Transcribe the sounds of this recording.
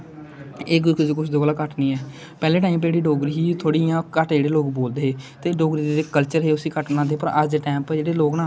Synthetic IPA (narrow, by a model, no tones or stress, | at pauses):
eːɡkd͡ʒekʊt͡ʃʰd̪oːkəlaːkəʈniːɛː | pɛːleːʈaːiːmpd͡ʒeːɽiːɖoːɡɾiːiːt̪ʰoːɽiːjãːkəʈd͡ʒeːɽeːloːkboːld̪eːɦeːt̪eːɖoːɡɾiːd̪eeːkəlt͡ʃəɾɦeːʊsiːkəʈnãːd̪eːpəɾəd̪eːʈɛːmpd͡ʒeːɽeːloːɡnãː